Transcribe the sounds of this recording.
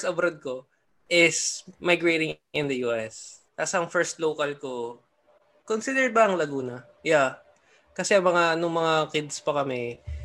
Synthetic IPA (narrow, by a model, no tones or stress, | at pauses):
sɐbɾɐd̪̚ko̞ | ʔɪsmajɡɹejt̪ɪŋʔɪnd̪ɐjuːʔɛst̪aːsɐɐŋfɛɹst̪loːkɐlko | konsid̪ɛɹd̪̚bɐʔɐŋlɐɡuːnɐ | ja | kɐsɛɐŋmɐŋanʊŋmɐŋakɪd̪spɐkɐmɛ